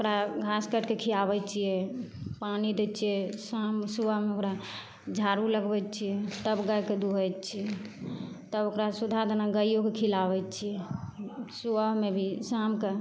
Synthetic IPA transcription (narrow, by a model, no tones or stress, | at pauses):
okɾaɡʱaskəʈkekʰilaβɛt͡ʃʰijɛpanid̪et͡ʃʰijɛsamsuʋəɦmeokɾa | d͡ʒʱaɾuləɡbɛt͡ʃʰijɛt̪əbɡəjked̪uɦəjt͡ʃʰijɛ | t̪əbokɾasud̪ʱad̪ənaɡəijokekʰilaβɛt͡ʃʰijɛ | suəɦmebʱisamke